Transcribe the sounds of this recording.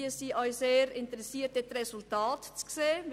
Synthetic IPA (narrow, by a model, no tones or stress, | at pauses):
əsiːʔɔʏseːɾɪntəɾɛsiːətətɾɛsʊltaːtt͡skseː